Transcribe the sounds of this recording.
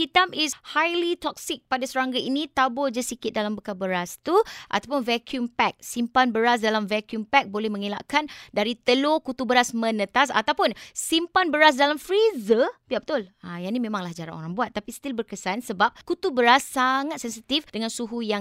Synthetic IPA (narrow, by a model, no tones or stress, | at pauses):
kit̪amishajlit̪ɔk̚sɪk̚padasəɾaŋɡaʔinĩt̪abʊd͡ʒasikɪt̪̚dalambəkabəɾast̪uʔa̰t̪awp̬ʊnvɛkʰjumpɛk̚simpanbəɾas̬dalamvɛkjumpɛk̚bolɛhmə̃ŋila̰ʔkandaɾit̪əlokut̪ubəɾasmə̃nə̃t̪as̬a̰t̪awpʊnsimpanbəɾas̬dalamfɾizəbiapbət̪ʊlajanimẽmãŋlahd͡ʒaɾa̰no̰ɾaŋbuat̪̚ːapist̪ilbərkəsansəbap̚kut̪ubəɾasːaŋat̪̚sɛnsit̪ifdəŋãnsuɦujaŋ